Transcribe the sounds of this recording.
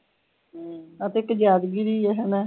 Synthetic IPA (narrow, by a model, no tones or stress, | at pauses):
ət̪eːɪkd͡ʒaːd̪ɡiːɾiːɛɦɛnɛː